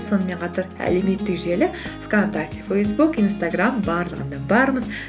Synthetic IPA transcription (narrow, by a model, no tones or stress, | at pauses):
so̞nəme̞ɴqʰɑt̪ɑɾæ̰le̞me̞t̪ːɪkʒelɪkv̥kont̪akt̪ʲifejs̬bukijnst̪aɡrambɑɾlˠəʁənd̪ɑbɑɾməz